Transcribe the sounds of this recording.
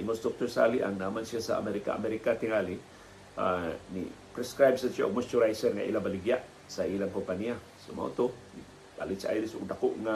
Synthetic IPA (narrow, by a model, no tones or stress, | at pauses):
iŋost̪ɾuk̚t̪ursa̰liʔa̰ŋnamansiasa̰a̰meɾika̰a̰meɾikat̪iŋali | anḭ | pɾɛskɾajb̚sat͡ʃaʔo̰k̚məst͡ʃuɾajsərŋa̰ʔḭlabaliɡiaʔ | sailampəpania | səma̰ṵt̪uni | ba̰lit͡ʃaaidisukdakuʔŋa